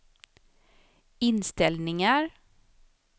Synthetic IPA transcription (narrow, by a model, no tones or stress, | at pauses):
ɪnst̪ɛlnɪŋaɾ